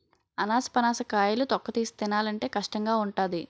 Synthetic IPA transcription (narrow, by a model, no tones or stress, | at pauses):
ɐnaːsɐ̥pɐnaːsɐkaːjɐlut̪ɔkːɐt̪iːsi̥t̪inaːlɐɳʈe̞ːkɐʂʈɐŋɡaːuɳʈaːd̪i